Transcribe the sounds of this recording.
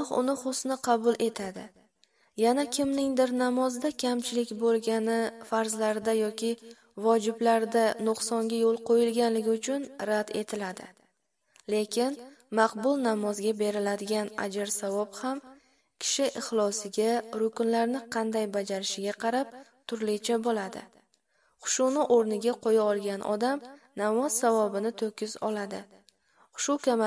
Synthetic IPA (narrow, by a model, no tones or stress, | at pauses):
ɒχʊ̰nɪχʊsnɪqʰɑbʊlˠʔe̞t̪ʰad̪ɪ | janakʲʰɪmnɪŋd̪ɪɾnamɒzd̪akʲʰamt͡ʃʰɪlɪkʲbolˠɡʲanɪfaɾzlaɾd̪ajɒkʲʰɪ | vɒd͡ʒɪblaɾd̪anʊqsɒŋɡʲajolˠqʰojɪlɡʲanlɪɡʲɪʊt͡ʃʰʊnɾad̪e̞t̪ʰɪlad̪ɪ̰ | le̞kʲʰɪnmɑqbʊlˠnamɒzɡʲabe̞ɾɪlad̪ɪɡʲana̰d͡ʒɪɾsavɒbham | kʲʰɪ̥ʃɪʔɪχlˠɒsɪɡʲaɾʊkʊnlaɾnɪqʰɑnd̪ajbad͡ʒaɾɪʃɪɡʲaqʰɑɾap̚t̪ʰʊɾlɪt͡ʃʰabolad̪ɪ̰ | χʊ̥ʃunɪʔoɾnɪɡʲaqʰojaɒlˠɡʲanʔɒ̰d̪amnamɒz̥savɒbɪnɪt̪ʰɵkʲʰːɪzɒ̰lad̪ɪ | χʊ̥ʃʊkʲʰam